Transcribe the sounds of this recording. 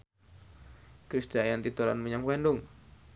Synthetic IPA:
kɾisd̥ʒ̥ajant̪it̪uɾa̰nmuɲaŋwɛnɖʊŋ

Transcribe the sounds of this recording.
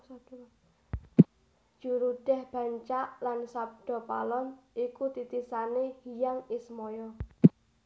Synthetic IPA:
d͡ʒ̥uɾuɖ̥ɛ̤hb̥ä̤ɲt͡ʃaʔlansab̚ɖ̥ɔ̤pa̰lɔnʔikut̪it̪isanehijaŋismɔjɔ

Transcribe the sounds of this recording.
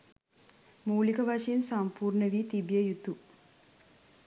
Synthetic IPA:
muːlikɐʋɐʂɐinsɐmpuːɾɳɐʋiːt̪ibjɐjut̪u

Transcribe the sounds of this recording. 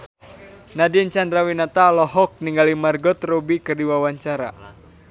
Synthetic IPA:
nadint͡ʃandɾawinat̪alɔɦɔk̚niŋɡalimarɡɔt̪robikɨrdiwawaɲt͡ʃaɾa̰

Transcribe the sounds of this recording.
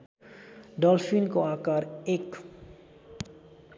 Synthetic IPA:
d̪ɔlfinkoakaɾek

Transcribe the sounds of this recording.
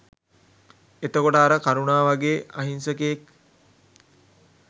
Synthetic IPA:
et̪okoʈəaɾəkaɾunaːʋaɡeːaɦinsəkeek

